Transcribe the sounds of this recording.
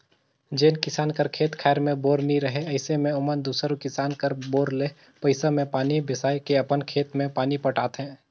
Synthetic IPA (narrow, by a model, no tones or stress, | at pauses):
d͡ʒeːnkɪsaːnkəɾkʰeːt̪kʰɛːɾmẽboːɾniɾəɦeɐɪsemẽʊmənd̪uːsəɾokɪsaːnkəɾboːɾleː | pəɪsamẽpaːnibɪsaːekeɐpənkʰeːt̪mẽpaːnipɐʈaːt̪ɦɛ̃ː